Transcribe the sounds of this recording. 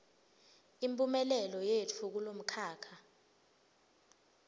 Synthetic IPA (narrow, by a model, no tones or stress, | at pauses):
impʼumɛlɛlɔjeːt͡fʰuk̬ulom̩kʰaːkʰa